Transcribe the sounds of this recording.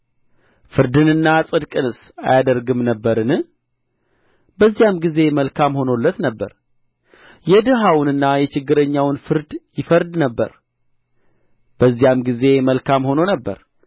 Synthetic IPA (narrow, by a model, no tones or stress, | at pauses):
fɨɾd̪ɨnɨnːasʼɨd̪kʼɨnɨs | a̰jad̪əɾɡɨmnəbːəɾɨnɨ | bəzːijamɡize̞məlkʰamho̞nolːət̪nəbːə̰ɾ | jɛd̪ɨɦawnɨnːajɛt͡ʃɪɡːɨɾəɲːawnfɨɾd̪jɪfəɾd̪nəbːə̰ɾ | b̥əzːijamɡize̞məlkʰamho̞no̞nəbːə̰ɾ